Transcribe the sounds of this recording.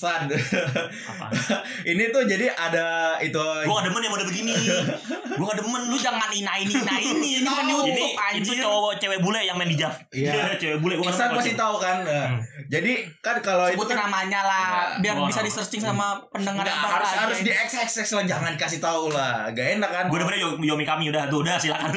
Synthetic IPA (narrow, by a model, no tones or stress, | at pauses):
san | ʔinit̪ʊd͡ʒadiʔadait̪uɡuakadəmənjabadabəɡini | ɡakadəbəmənlud͡ʒaŋaninainiiniinibkaiuʊaitd͡ʒ̪uat͡ʃewebulejaŋmɛlid͡ʒaf̚ | iat͡ʃewebulɛɡuakadəsankasit̪aukanəd͡ʒadikankalaibʊt̪namaɲalahbiarbisadist̪ərt͡ʃɪŋsamapəndəŋaraaalaabisdiɛksɛksɛkslad͡ʒaŋankas̬it̪aulahɡaindakanɡuadəmənɲajojomikamiudaht̪̬udahsilakan